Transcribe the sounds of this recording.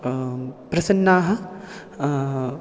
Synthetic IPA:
pɾɐsɐnːaːɦɐ̆

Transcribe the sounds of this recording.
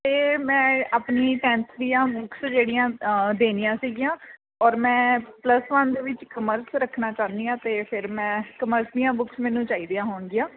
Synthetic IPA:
t̪eːmɛ̃ːaːpniːʈɛ̃ːnsd̪ijãːbʊksd͡ʒeːɽijãːd̪eːnijãːsiːɡijãː | ɔːɾmɛ̃ːpləsʋənd̪eːʋɪt͡ʃkəməɾsɾəkʰnaːt͡ʃaːnd̪ijãːt̪eːpʰɪɾmɛ̃ːkəməɾsd̪ɪijãːbʊksmɛːnũːt͡ʃaːiːd̪ijãːɦoːɳɡɪjãː

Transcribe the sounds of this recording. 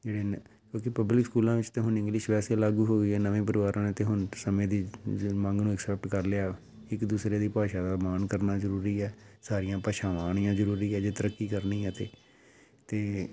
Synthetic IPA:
d͡ʒeːɽeːnkõːkɪpəblɪkskuːlãːʋɪt͡ʃt̪eːɦʊnɪ̃ŋɡlɪʃʋɛːseːlaːɡuːɦoːɡiːɛːnəʋẽːp̬əɾɪʋaːɾãːneːt̪eːɦʊnsəmẽːd̪iːmə̃ŋɡnũːɛksɛːp̚ʈkəɾlɪaː | ɪkd̪uːsɾeːd̪iːpaːʃãːd̪aːmaːnkəɾnaːzəɾuːɾiːɛːsaːɾijãːpəʃaːʋaːɽ̃ɪjãːzəɾuːɾiːɛːd͡ʒeːt̪əɾəkːiːkəɾnĩːɛ̃t̪eː | t̪eː

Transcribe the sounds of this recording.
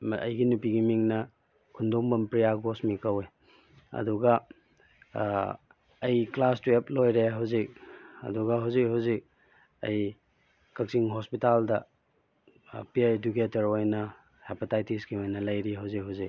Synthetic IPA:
ɐ̰jɡinupiɡimiŋnɐ | kʰundombɐmpɾijaɡosmikɐwe | ɐ̰duɡɐ | jklastweplojɾeɦawzik̚ɐ̰duɡɐɦawzik̚ɦawzik̚ | ɐj | kɐk̚siŋɦospitaldɐ | piaed͡ʒuketɐɾojnɐ | hepatajtisɡiojnɐlɐjɾiɦawzikɦwzik̚

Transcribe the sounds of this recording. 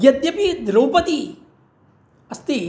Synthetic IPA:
jɐd̪jɐpid̪ɾɐwpɐt̪i | ɐst̪i

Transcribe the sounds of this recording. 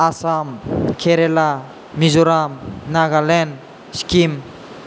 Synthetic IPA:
asamkʰeɾela | mizuɾamnaɡalen | skim

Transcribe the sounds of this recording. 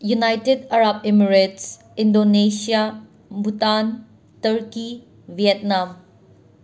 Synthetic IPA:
junajtedaɾab̚emiɾets | indonesia | butan | tɐɾki | viɛt̚nam

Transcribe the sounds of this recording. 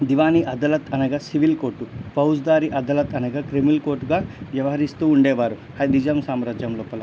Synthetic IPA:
d̪iʋaːniʔɐd̪ɐlɐt̪ʰɐnɐɡɐsiʋilkoːɾʈupɐwsd̪aːɾiʔɐd̪ɐlɐt̪ɐnɐɡakɾemilkoːɾʈuɡaːʋjɐʋɐɦɐɾist̪uːuɳɖɛːʋaːɾu | ɐd̪id͡ʒɐmsaːmɾaːd͡ʒjɐmloːpɐlɐ

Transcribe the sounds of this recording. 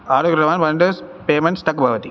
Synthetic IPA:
aːɾɯkɪɾɐʋaːnʋɐɳɖɐspeːmɐnʈsʈ̪ɐkːbʱɐːʋɐt̪i

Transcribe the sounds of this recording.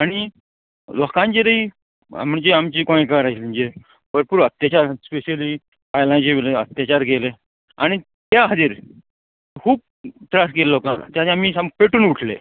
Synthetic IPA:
aɽ̃i | lɔkãɲt͡ɕeɾəḭ | m̤əɳd͡ʑeamt͡ɕiːkõẽkaɾaliɲd͡ʑe | pəɾpuɾuət̪jat͡ɕaɾspeɕəli | pajlãt͡ɕeʋeleət̪jat͡ɕaɾɡele | a̰ɽ̃i | t̪jaɦəd̪iːɾ | kʰuːb̚ | ʈ̪ɾasɡellɔkala̰t̪jaamisampeʈuːnuʈʰlḛ

